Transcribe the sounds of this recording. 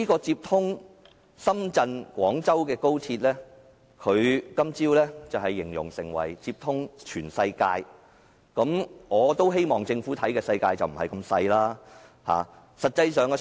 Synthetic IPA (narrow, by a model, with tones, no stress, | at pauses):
iː˥kɔː˧t͡siː˧p̚t̪ʰʊ˥ŋ | sɐ˥mt͡sɐ˧nkʷwɔː˨˥ŋt͡sɐ˥wkɛː˧ko˥wt͡sʰiː˧t̚lɛː˥ | kʰɵ˨˧ɥkɐ˥mt͡siː˥wlɛː˥t͡sɐ˨wɦɐ˨jːɪ˨˩ŋjʊ̰˨˩ŋsɪ˨˩ŋwɐ̰˨˩jt͡siː˧p̚t̪ʰʊ˥ŋt͡ʃʰyː˨˩nsɐ˧jkaː˧j | kɐ˨˥mŋɔː˨˧t̪o˥wɦe˥jmɔː˨˩ŋt͡sɪ˧ŋfuː˨˥t̪ʰɐ˨˥jkɛː˧sɐ˧jkaː˧jt͡sɐ˨wm̩˨˩hɐ˨jkɐ˧msɐ˧jlaː˥ | ha̰ː˨˩ | sɐ˨t̚t͡sɐ˧jsœː˨ŋkɛ˧